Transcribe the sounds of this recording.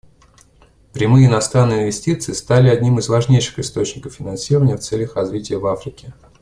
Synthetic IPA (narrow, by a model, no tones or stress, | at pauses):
pɾʲɪmɨjəɪnɐst̪ɾanːɨjɪnvʲɪsʲtʲit̪sɨɪst̪alʲɪɐdʲnʲimɨzvɐʐnʲejʂɨ̥xɨst̪o̞t͡ɕnʲɪkəfːʲɪnɐnsʲirəvənʲɪjəft̪sɛlʲjəxrɐzvʲitʲɪjəvafɾʲɪkʲɪ